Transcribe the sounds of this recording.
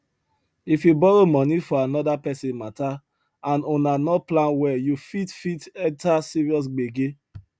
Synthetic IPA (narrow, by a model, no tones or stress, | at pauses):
ifjubɔɹomɔ̃nifɔanɔdapɛsɛ̃nmata | ãnonanɔplãnwɛjufitfitɛ̃ntasiɹiɔs̬ɡ͡beɡe